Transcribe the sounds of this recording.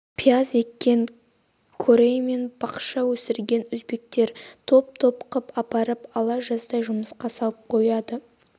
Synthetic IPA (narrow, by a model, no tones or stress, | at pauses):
pʰiaze̞kʲːe̞ŋ | kʰoɾejme̞nb̥ɑqʃɑwɵsɪɾɡʲe̞nʊzbe̞k̚t̪e̞ɾt̪ʰo̞p̚t̪ʰo̞pqəpɑpɑɾəpɑlˠɑʒɑsd̪ɑjʒʊməsqɑsɑlˠəp̚qʰo̞jɑd̪ə